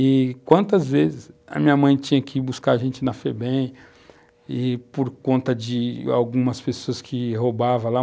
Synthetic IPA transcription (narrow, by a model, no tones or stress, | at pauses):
ɪkwɐ̃nt̪ɐzvezɪsɐ̰mĩɲɐmɐ̃j̃t͡ʃĩɲɐkɪbuskaɾʒẽnt͡ʃɪnɐfebẽj | ɪpoɾkõnt̪ɐd͡ʒɪa̰wɡũmɐspesoɐskʰɪɦobavɐ̃la